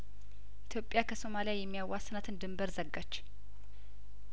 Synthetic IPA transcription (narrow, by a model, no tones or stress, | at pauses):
ʔit̪ʰjo̞pʼːjakʰəso̞malijajɛmːijawːasnət̪ɨnd̪ɨmbəɾzəɡːat͡ʃː